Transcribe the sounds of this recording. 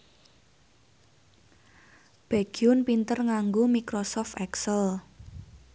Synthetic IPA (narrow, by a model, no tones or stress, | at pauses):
b̥a̤ɡ̥iʊnpint̪ərŋaŋɡomikɾosɔft̪ɛksəl